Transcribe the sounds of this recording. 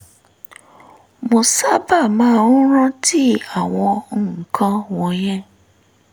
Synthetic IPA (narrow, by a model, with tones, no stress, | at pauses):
mo˧sa˦ba˦˨mãː˦ɾũ˦ɾ̃ã˦ti˦a˦˨w̃ɔ̃˧˨ŋ̩̃˨kʰã˧wɔ̃˧j̃ɛ̃˦